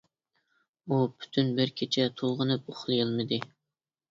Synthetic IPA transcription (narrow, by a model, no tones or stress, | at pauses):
upʰy̥t̪ʰynbɪɾkʲʰet͡ʃʰɛt̪ʰolˠʁənɨp̚oχlˠɨjɨlˠmɨd̪ɨ